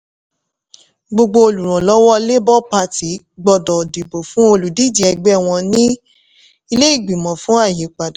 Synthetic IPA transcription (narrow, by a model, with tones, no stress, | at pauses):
ɡ͡bo˧ɡ͡bo˧o˧lu˨ɾ̃ã˨lɔ˨˦wɔ˦le˦bɔ˦pa˧ti˨˦ | ɡ͡bɔ˧dɔ˨di˨bo˨fũ˨˦o˧lu˨di˨˦d͡ʒi˨˦ɛ˧ɡ͡bɛ˦˨w̃ɔ̃˧nĩ˦ | i˧le˦i˦˨ɡ͡bi˨mɔ̃˨fũ˦a˦˨ji˨˦k͡pa˨da˨˦